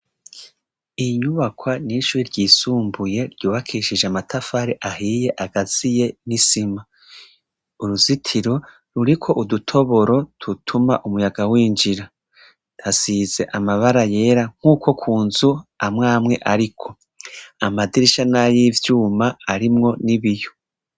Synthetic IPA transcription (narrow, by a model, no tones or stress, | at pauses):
iɲuβakwaniʃuːɾiɾɟiːsuːmbuje̞ɾɟuːβakʰiʃiʒeamatʰafaːɾeʔaɦije̞ʔaɡ̥azije̞nisima | uɾuzitʰiɾo̞ | ɾuɾikʰo̞ʔudutʰo̞βo̞ɾo̞tutʰuma̰ʔumujaɡawiːnd͡ʒiɾa | d̥asize̞ʔamaβaɾaje̞ɾaŋ̥huːko̞kʰuːnzuamŋaːmŋe̞̰ʔaɾikʰo̞ | amadiɾiʃanajivjuːmaːɾimŋo̞niβijo̞